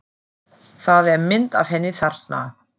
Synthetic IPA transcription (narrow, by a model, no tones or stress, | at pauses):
θaðɛɾmɪnt̪av̥hɛnːɪθar̥t̪na̰